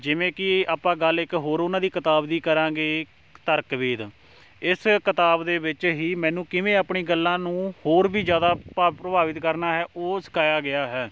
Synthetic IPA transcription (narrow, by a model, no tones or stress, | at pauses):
d͡ʒɪʋẽːkɪaːpːãːɡəlɪkɦoːɾʊnãːd̪iːkɪt̪aːbd̪iːkəɾãːɡeː | t̪əɾkʋeːd̪ | ɪskɪt̪aːbd̪eːʋɪt͡ʃɦiːmɛ̃ːnũːkɪʋẽːaːpɳiːɡəlːãːnũːhoːɾbiːd͡ʒjaːd̪aːpːpɾəbaːʋɪt̪kəɾnaːɦɛːʔoːsə̥kʰaːjaːɡɪaːɦɛː